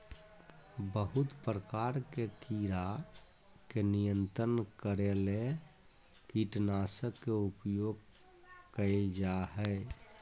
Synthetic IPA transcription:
bəɦut̪pɾəkaɾkekiɾa | kenijənt̪ɾənkəɾele | kiʈnasəkːeupjoɡ̚ | kəɪld͡ʒaɦɛɪ

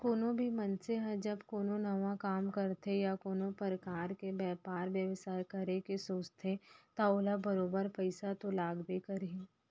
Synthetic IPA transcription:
koːnõbʱimɐnseɦə̃d͡ʒɐbkoːnõnɐʋãkaːmkɐɾt̪ʰejakoːnõpɾəkaːɾkebɛːpaːɾʋjɐʋsaːjkɐɾekesoːt͡ʃt̪ʰet̪aoːlabəɾoːbəɾpəɪsat̪olaːɡbekɐɾĩ

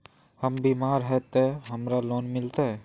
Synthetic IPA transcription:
hɐmbiːmaːɾɦɛt̪eɦɐmɾaloːnmɪlt̪aɦɛː

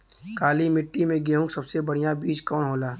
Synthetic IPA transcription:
kaːlimɪʈːimẽɡeːɦʊ̃ksɐbsebɐɽ̤ijabiːd͡ʒkɔːnɦoːlaː

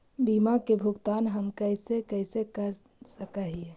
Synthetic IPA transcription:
bimakebʱuɡt̪anɦəmkəɪsekəɪsekəɾ | səkəɦie

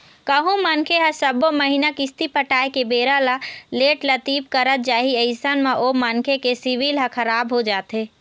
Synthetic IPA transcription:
kəɦũmənkʰeɦə̃səboməɦinakist̪ipəʈaːekebeːɾalaleːʈlət̪ipkəɾət̪̚d͡ʒaːɦiəɪsənmeʔomənkʰekesiʋilɦə̃kʰəɾaːbɦod͡ʒaːt̪e

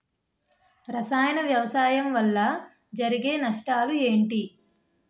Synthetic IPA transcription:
ɾɐsaːjɐnɐʋjɐʋɐsaːjɐmʋɐlːɐ | d͡ʒɐɾiɡe̞ːnɐʂʈaːlue̞ːɳʈi

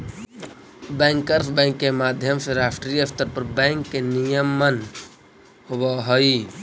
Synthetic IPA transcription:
bɛ̃ŋkəɾpʰbɛ̃ːŋkːemaːd̪ʱjəmseɾaːpʰʈɾiəpʰt̪əɾpəɾbɛ̃ŋkːenijəmːən | hobaɦoi

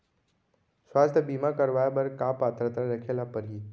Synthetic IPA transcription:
sʋast̪ʰəbimãkəɾʋajabəɾkapat̪ɾət̪ɾaɾəkʰelapəɾi

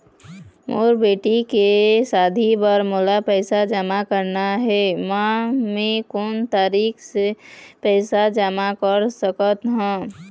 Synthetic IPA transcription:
mo̰ːɾbeːʈikesaːd̪ʱibəɾmolapɛɪsad͡ʒəmakəɾnaɦɛmãmẽkoːnt̪aːɾiːksepɛːsad͡ʒəmakəɾsəkət̪ɦɛ̃

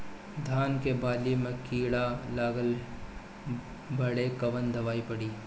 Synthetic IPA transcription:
d̪ʱaːnkebaːlimẽkiːɽalaːɡəl | bɐɽekɐʋənd̪ɐʋaːipɐɽiː

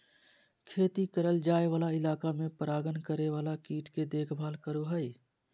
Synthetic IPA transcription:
kʰeːt̪ikəɾəld͡ʒaːeʋaːlaɪlaːkamẽpəɾaːɡənkəɾeʋaːlakiːʈʰked̪eːkʰbʱaːlkəɾoɦəi

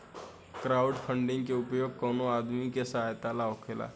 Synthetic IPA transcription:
kɾauɖfʰəɳɖiŋkeupjoɡ̚konoad̪mikesəɦajt̪alaokʰela̰

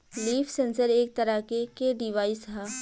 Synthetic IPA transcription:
liːfsẽːnsəɾeːk̚t̪ɐɾakekeɖɪʋaːɪsɦɛː

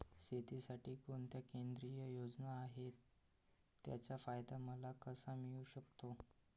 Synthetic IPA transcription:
set̪isaʈiːkoɳt̪jakend̪ɾijəjod͡znaːɦet̪ː | ja̰t͡ɕjafajd̪aməlakəsamiuɕəkt̪o

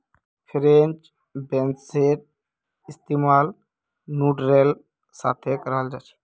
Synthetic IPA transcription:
pʰiɾent͡ʃ | benseɾ̚ | ist̪imal | nuɖɾel | sa̰t̪ʰekəɾald͡ʒat͡ʃʰi̥

